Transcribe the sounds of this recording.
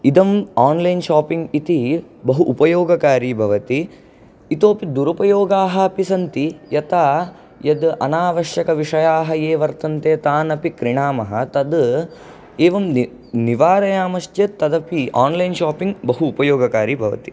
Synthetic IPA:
id̪ɐmaːnlɐjnʃaːpiŋɡit̪ibɐɦuʔːpɐjoːɡɐkaːɾiːbʱɐʋɐt̪i | it̪oːpid̪uɾupɐjoːɡaːɦɐɐpisɐnt̪ijɐt̪aː | jɐd̪ʔɐnaːʋɐʃjɐkɐʋiʂɐjaːɦɐeːʋɐɾt̪ʰɐnt̪eːt̪aːnɐpikɾiɳaːmɐɦɐt̪ɐd̪ | eːʋɐm | niʋaːɾɐjaːmɐʃt͡ʃet̪ːɐd̪ɐpiaːnlɐjnʃaːpiŋɡbɐɦuːpɐjoːɡɐkaːɾiːbʱɐʋɐ̰t̪i̥

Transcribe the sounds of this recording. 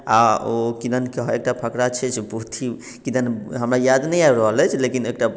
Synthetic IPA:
aokid̪ənkeɦek̚ʈapʰəkɾat͡ʃʰɛt͡ʃʰbəɦut̪ʰi | kid̪ənɦəmɾajad̪nɛjaɾəɦəlɛt͡ʃʰlekinek̚ʈa

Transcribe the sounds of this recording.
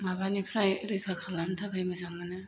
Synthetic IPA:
mabanipʰɾajɾɯkʰakʰalantʰakʰajmɯzaŋːanɯ

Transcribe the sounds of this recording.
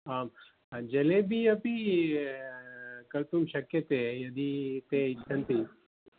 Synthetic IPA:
aːm | d͡ʒɐlẽbʱiɐpi | kɐlt̪umʃɐkjət̪ejɐd̪it̪eɪt͡ʃʰːɐnt̪ʰi

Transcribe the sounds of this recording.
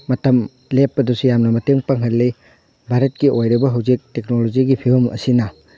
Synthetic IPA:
mɐtɐm | lepːɐdusujamnɐmɐteŋpaŋɦɐlːe | bʱaɾɐt̚kiʔojɾɐbɐɦɐwzik̚tek̚nolod͡ʒiɡipʰibɐmɐ̰sinɐ

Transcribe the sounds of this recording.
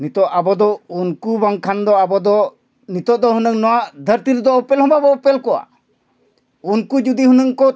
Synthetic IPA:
nit̪ɔʔabɔd̪ɔunkubaŋkʰand̪ɔabɔd̪ɔ | nit̪ɔʔd̪ɔɦunəŋnɔwaʔd̪ʱəɾt̪iɾɛd̪ɔɔpɛlɦɔ̃babɔːpɛlkɔwa̰ | unkud͡ʒud̪iɦunəŋkɔ

